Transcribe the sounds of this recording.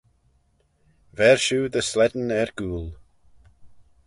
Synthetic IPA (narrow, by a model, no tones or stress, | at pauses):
vɛɹʃuːðəslɛdn̩ɛɹɡ̥uːlˠ